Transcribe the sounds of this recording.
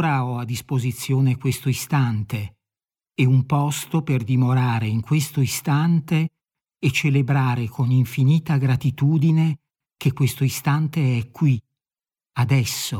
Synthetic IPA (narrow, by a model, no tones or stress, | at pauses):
ɾaɔad̪ːispozit̪sːjoːnekwest̪oist̪ant̪e | ɛumpɔst̪operd̪imoɾaːɾeiŋkwest̪oist̪ant̪eː | t͡ʃːelebɾaːɾekʰoniɱfiniːt̪aɡɾat̪it̪uːd̪ine | k̟ekːwest̪oist̪ant̪eɛkːwi | ad̪ɛsːo